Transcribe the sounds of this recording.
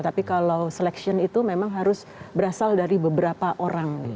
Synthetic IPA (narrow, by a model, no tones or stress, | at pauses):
t̪apikalawsəlɛksiɔnit̪umemaŋɦaɾʊs | bəɾasaldaɾibəbəɾapaʔoɾaŋi